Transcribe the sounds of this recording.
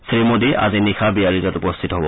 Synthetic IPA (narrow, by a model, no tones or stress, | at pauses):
simodia̰zinixʰabiaɹizɔtupɔstʰitɔɦɔbɔ